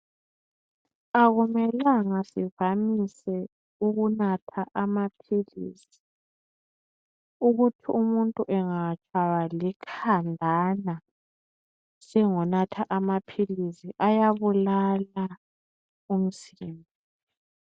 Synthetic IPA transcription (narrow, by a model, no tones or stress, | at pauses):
aɣumɛlaŋasivamisɛ | uɣunatʰaʔamapʰilḭːsi̥ | uɣutʰiumuntʼuʔɛŋat͡ʃʼwaβalikʰandʱana | sɛŋɔnatʰaʔamapʰilisiʔajaβulala | um̩siːmbʱɔɔ